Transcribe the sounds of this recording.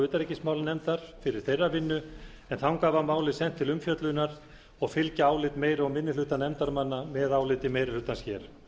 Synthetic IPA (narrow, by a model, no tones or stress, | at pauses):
ʏːt̪aɾecɪsmaːwlnɛmt̪aɾ̥fɪɾɪɾ̥θejrːavɪnːʏ | ɛnθawŋkaːvamaːwlɪsɛn̥t̪ʰːɪlʏmfjœt̪lʏnːaɾ̥ | ɔɣfɪlcaaːwlɪt̪meːjɾawmɪnːɪlʏːt̪anɛmt̪aɾmanːamɛːðaːwlɪt̪ɪmejɾɪlʏːt̪ansçjɛːɾ̥